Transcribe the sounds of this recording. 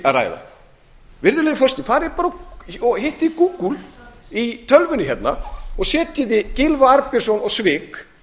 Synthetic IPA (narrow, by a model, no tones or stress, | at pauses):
ara̰ːjða̰ | vɪɾðʏlɛːjɪfɔrst̪nɪθaɾɛɾpaːɾɔɣheht̪ɪkuːkulit̪ʰœlvʏnɪçjɛt̪naɔɣsɛːt̪ɪðɪcɪlvaaɾpɪ̥sɔnɔɣsvɪːk